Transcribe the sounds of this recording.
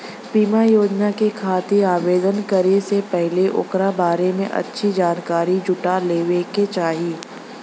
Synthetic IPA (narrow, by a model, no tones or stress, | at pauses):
piːmajoːd͡ʒnakekʰaːt̪iaːʋeːd̪ənkɐɾesepɛɦleʔʊ̰kɾabaːɾemẽʔɐ̰tːʃʰid͡ʒaːnkaːɾid͡ʒʊʈaleːʋeket͡ʃaːɦiː